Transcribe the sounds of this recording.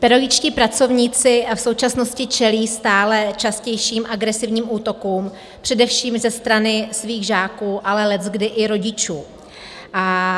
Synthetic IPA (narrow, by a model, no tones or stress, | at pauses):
pɛɾoɡɪt͡ʃciːpɾat͡so̞vɲiːt͡sɪfso̞wt͡ʃasno̞scɪt͡ʃɛliːst̪aːlɛt͡ʃascɛjʃiːmʔaɡɾɛsɪvɲiːmʔuːt̪o̞kuːm | pr̝̥ɛdɛfʃiːmzɛst̪ɾanɪsviːɣʒaːkuːʔalɛlɛzɡdɪʔɪɾo̞ɟɪt͡ʃuː | ʔa